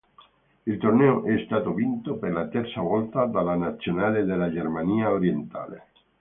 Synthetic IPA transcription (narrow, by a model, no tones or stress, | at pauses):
elt̪orneoʔɛːst̪at̪oβint̪opeɾlat̪eɾsaβɔlt̪ad̪alanat̪sjonaleðelaʒeɾmaniaoɾjent̪a̰lḛ